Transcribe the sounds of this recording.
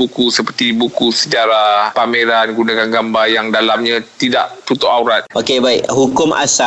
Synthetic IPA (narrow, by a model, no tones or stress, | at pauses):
bukusəpərt̪ibukusəd͡ʒaɾahpameɾanɡunakanɡambajaŋdalamɲãt̪ida̰ʔt̪ut̪ʊʔauɾat̪̚ʔokebaɪ̰kɦukʊma̰sa